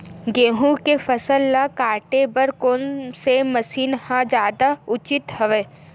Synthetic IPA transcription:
ɡeːɦũkefɐsəlːakaːʈebəɾkoːnsemɐsiːnhãd͡ʒjaːd̪aʊt͡ʃɪt̪hɐʋeː

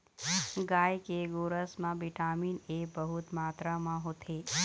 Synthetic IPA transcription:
ɡaːjkeɡoːɾəsmãbiʈaːmiːnebəɦʊt̪maːt̪ɾamãɦot̪ʰe

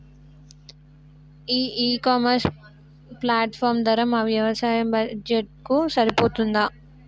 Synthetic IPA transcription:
iːiːkaːmɐɾs | plaːʈpʰɔːɾmd̪ɐɾɐmaːʋjɐʋɐsaːjɐmbɐd͡ʒeʈ̚kusɐɾipoːt̪und̪aː

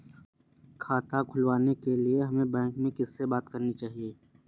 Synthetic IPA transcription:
kʰaːt̪akʰʊlʋaːnekelieɦɐmẽbɛ̃ːŋkmẽkɪsːebaːt̪kɐɾnit͡ʃaːɦieː

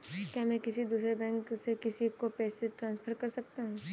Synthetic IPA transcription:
kjaːmɛ̃ːkɪsid̪uːsɾebɛ̃ːŋksekɪsikopɛːseʈɾãːnspʰəɾkɐɾsɐk̚t̪aɦũː

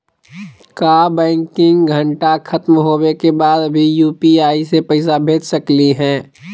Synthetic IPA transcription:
kaːbɛ̃ːŋkɪ̃ŋɡɡʱəɳʈakʰɐt̪mɦoːbekebaːd̪bʱijuːpiaːisepəɪsabʱeːd͡ʒsəkliɦɛ̃ː

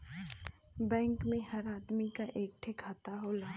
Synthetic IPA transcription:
bɛ̃ːŋkmẽhɐɾaːd̪mikaʔeːk̚ʈʰekʰat̪aɦoːlaː

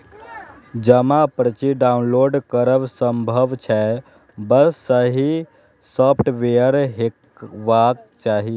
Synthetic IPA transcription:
d͡ʒəmapɾət͡ʃiɖaunloːɖkəɾəʋsəmbʱəʋt͡ʃʰɛ | bəssəɦi | sɔpʰʈʋejəɾɦek | ʋak̚t͡ʃaːɦi

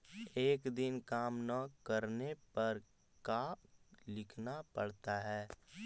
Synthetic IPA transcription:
eːkd̪ɪnkaːmnəkəɾnepɐɾ | kalɪkʰnapɐɽ̤t̪aɦɛː

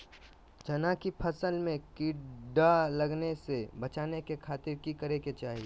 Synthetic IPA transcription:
d͡ʒɐnakipʰɐsəlmẽkɪɖalɐɡnesebɐt͡ʃaːnekekʰaːt̪ɪɾkikɐɾeket͡ʃaːɦie

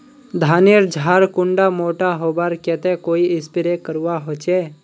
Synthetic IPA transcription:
d̪ʱaːniɾd͡ʒʱaːɾkʊ̃ɳɖamoːʈaɦoːbaɾkɛt̪ekoːiɪ̃spɪɾekəɾuwaɦoːt͡ʃeː

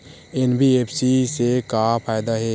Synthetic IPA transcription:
enbʱieːpʰsisekapʰaːjd̪aɦɛː

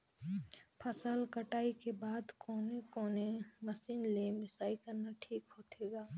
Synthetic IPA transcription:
pʰəsəlkəʈaːikebaːd̪koːnekoːnemɐsiːnleːmɪsaːikɐɾnaʈʰiːkɦoːt̪eːɡaː

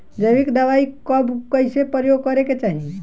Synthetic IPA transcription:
d͡ʒəjʋikd̪aʋaikɔbkəjsepɾəjoɡ̚kəɾeket͡ʃani

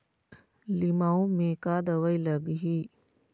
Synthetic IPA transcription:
limaːũmẽːkaːd̪əʋəiləɡɦiː

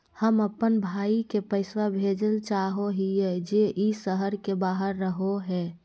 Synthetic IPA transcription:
həməpːənbʱaːikepəɪswabʱed͡ʒəlt͡ʃaɦoɦijɛd͡ʒeʔisəɦəɾkebaːɦəɾːəɦoɦɛː

